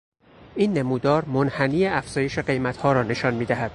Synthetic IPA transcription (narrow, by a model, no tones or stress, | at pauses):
ʔiːnːemuːd̪ɒːɾmonhæniːeæfz̥ɒːje̞ʃe̞ɢe̞jmæt̪hɒːɾɒːne̞ʃɒːnmiːd̪æɦæd̪̥